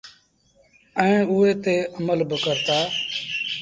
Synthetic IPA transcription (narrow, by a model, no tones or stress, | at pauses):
ɛ̃ẽːʊɦeːt̪eːʔəməlbəkəɾt̪aː